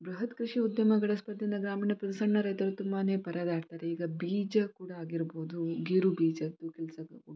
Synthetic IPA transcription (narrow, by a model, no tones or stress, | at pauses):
bɾɐɦɐt̪kɾiʂiud̪jɐmɐɡɐɭɐspɐd̪ːind̪ɐɡɾaːmiːnɐpɾɐd̪isɐɳːɐɾɐjt̪ɐɾut̪umːaːneːpɐɾʔɐd̪aːɽt̪aːɾeiːɡɐbiːd͡ʒɐkuːɽaaːɡiɾboːd̪uɡiɾubiːd͡ʒɐd̪ukɛlsɐbɐu